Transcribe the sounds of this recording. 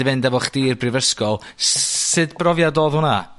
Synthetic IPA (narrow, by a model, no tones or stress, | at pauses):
ɪvɛndavɔχd̥iːrbrɪvəskɔlˠssɨdbrɔvjadɔðhʊna